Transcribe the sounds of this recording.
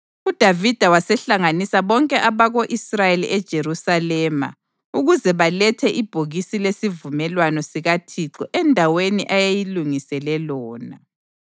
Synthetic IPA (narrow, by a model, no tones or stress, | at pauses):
ud̥ʱavid̥ʱawasɛɬaŋanisaβɔŋkʼɛʔaβaɣoʔisrajelḭʔɛd̥ʒ̥ʱerusalɛːma̰ | uɣuzɛβalɛtʰɛʔib̥ʱoɣisilesivumɛlwanɔsiɣatʰiǁɔʔɛndʱaweniʔajejiluŋisɛlɛlɔːna̰